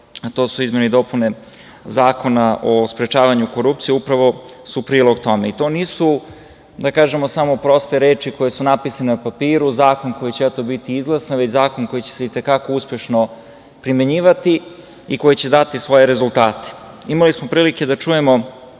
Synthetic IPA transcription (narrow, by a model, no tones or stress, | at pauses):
at̪o̞ːsuizme̞nid̪o̞pune̞ | zaːko̞naʔospɾet͡ʃaːʋaɲuko̞ɾupt̪sijeupɾaʋo̞supɾiːlˠo̞ɡt̪o̞me̞it̪o̞ːniːsu | d̪akaːʒe̞mosamo̞pɾo̞st̪eɾeːt͡ʃiko̞jesunapisanenupapiːɾuzaːko̞nkojit͡ɕeet̪obit̪iizɡlˠasaʋet͡ɕzaːko̞nko̞jit͡ɕeseit̪e̞kako̞uspje̞ʃno | pɾimje̞ɲiːʋat̪i | iko̞jet͡ɕe̞d̪at̪isʋo̞jeɾezulˠt̪aːt̪e̥ | imalismo̞pɾiːlike̞d̪at͡ʃuje̞mo̞